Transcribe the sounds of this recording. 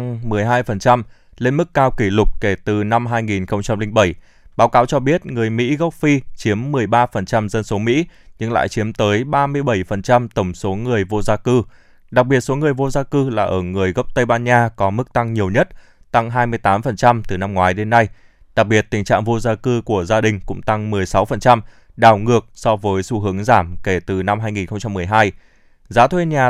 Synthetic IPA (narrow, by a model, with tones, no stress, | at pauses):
ŋmɨ˨˩əjɦaː˧jfə˨˩nt͡ɕa˧m | le˧nmɨ˦˥kːaː˧wki˧˩lʊ˨˩k͡p̚ke˧˩t̪ɨ˨˩na˧mɦaː˧jŋi˨˩nxə˧wŋ͡mt͡ɕa˧mli˧ŋ̟ɓə˧˩j | ɓaː˨˦wkaː˨˦wt͡ɕɔ˧ɓi˦˥ət̚ŋɨ˨˩əjmḭ˧˥ɣə˦˥wk͡p̚fi˧t͡ɕi˨˦əmːɨ˨˩əjɓaː˧fə˨˩nt͡ɕa˧mzə˧nso˨˦mḭ˧˥ɲɨ˧ŋla̰ː˧˨jt͡ɕi˨˦əmt̪əː˨˦jɓaː˧mɨ˧əjɓə˧˩jfə˨˩nt͡ɕa˧mt̪ə˧˩wŋ͡mso˨˦ŋɨ˨˩əjvo˧zaː˧kɨ˧ | ɗa˨˩k̚ɓi˨˩ət̚so˨˦ŋɨ˨˩əjvo˧zaː˧kɨ˧laː˨˩ʔəː˧˩ŋɨ˨˩əjɣə˦˥wk͡p̚t̪ə˧jɓaː˧nɲaː˧kɔ˨˦mɨ˦˥k̚t̪a˧ŋɲi˨˩əwɲə˦˥t̚ | t̪a˧ŋɦaː˧jmɨ˧əjt̪aː˨˦mfə˨˩nt͡ɕa˧mt̪ɨ˨˩na˧mŋwaː˨˦jɗe˨˦nːa˧j | ɗa˨˩k̚ɓi˨˩ət̚t̪ï˨˩ŋ̟t͡ɕa̰ː˧˨ŋvo˧zaː˧kɨ˧ku˧˩əzaː˧ɗï˨˩ŋ̟kʊ̰˧˥ŋ͡mt̪a˧ŋmɨ˨˩əjsa˨˦wfə˨˩nt͡ɕa˧m | ɗaː˧˩wŋɨ˨˩ək̚sɔ˧vəː˨˦jsu˧˩ɦɨ˨˦əŋzaː˧˩mke˧˩t̪ɨ˨˩na˧mɦaː˧jŋi˨˩nxə˧ŋ͡mt͡ɕa˧mːɨ˨˩əjɦaː˧j | zaː˨˦t̪ʰwe˧nɲaː˨˩